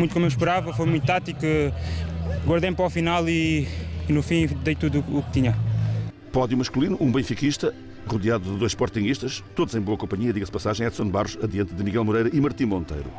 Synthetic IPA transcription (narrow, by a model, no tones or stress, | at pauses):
ũt̪ukomewʃpɨɾavɐfojmũj̃t̪̚t̪at̪ikɛ | ɡwɐɾðɐjmpɾɔfinalˠiː | nufĩd̪ejt̪uðuːkt̪iɲɐ | pɔðjumɐʃkulˠinuʔũbẽfikiʃt̪ɐ | ʁuðjaðuðɨðojʃpɔɾt̪ĩɲiʃt̪ɐʃt̪oðuzẽj̃boɐkõmpɐɲiɐðiɣɐspɐsaʒɐ̃j̃ɛðsõnβaʁuʃɐðjɐ̃nt̪ðɨmiɣɛlˠmuɾejɾɐʔimɐɾt̪ĩmõnt̪ḛjɾṵ